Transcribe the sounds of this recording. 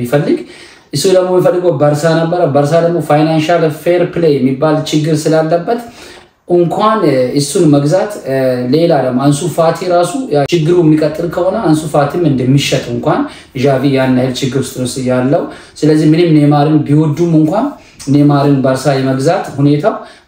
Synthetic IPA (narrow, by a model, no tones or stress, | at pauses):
ifəlːɨɡ | ʔɨsːud̪əɡmomːifəlːɨɡəwbəɾsanəbːəɾəbəɾsad̪əɡmo̞fajnanʃalfeɾplejɛmːibːalt͡ʃʰɪɡːɨɾsɨlalːəbːət̪ | ʔɨŋkʰʷanʔɨsːunməɡzat̪le̞lad̪əɡmːoansufat̪ʰjɛɾasujt͡ʃɪɡːɨɾuɛmːikʼət̪ʼːɨlkʰəho̞nəansufat̪ʰɨmɨnd̪əmːiʃɛt̪ʼɨŋkʷan | ʒavijanːajɨlt͡ʃʰɪɡːɨɾst̪ʼɨɾost̪ɨjalːəwsɨləzːihmɨnɨmne̞maɾɨnbiwɔd̪ːumɨŋkʷan | nemaɾɨnbəɾsajɛməɡzat̪hune̞t̪ʰaw